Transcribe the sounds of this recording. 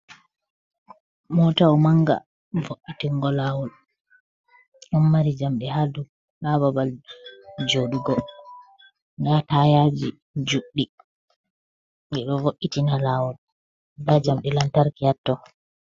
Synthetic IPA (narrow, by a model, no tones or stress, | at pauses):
mɔtaɔmaŋɡa̰ | voʔitiŋɡɔlaːwɔl | ɗɔnmaɾid͡ʒamɗɛhadu | lababal | d͡ʒoɗuɡɔ | ŋɡatajad͡ʒi | d͡ʒuɗːi | ɡɛɗɔvoʔːitinalaːwɔl | dad͡ʒamɗɛlantaɾkijatːɔ